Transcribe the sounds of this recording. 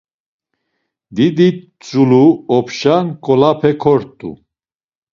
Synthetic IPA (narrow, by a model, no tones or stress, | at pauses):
d̪id̪i | t͡sʼuluɔpʰʃankʼɔlapʰɛkʰɔɾt̪ʼṵ